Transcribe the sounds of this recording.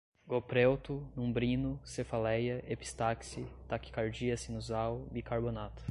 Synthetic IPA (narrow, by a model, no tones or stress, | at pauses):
ɡopɾewt̪ʊnũbɾĩnʊsefalɛjɐʔepi̥st̪aksit̪aki̥kaɾd͡ʒiɐsĩnuzawbikaɾbonat̪ʊ̥